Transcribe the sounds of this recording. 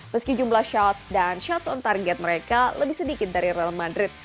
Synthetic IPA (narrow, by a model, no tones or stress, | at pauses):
məskid͡ʒumlahʃat̪sdanʃat̪sɔnt̪arɡɛt̪̚məɾekaləbɪhsədikɪt̪̚daɾiɾɛlmandɾɪt̪̚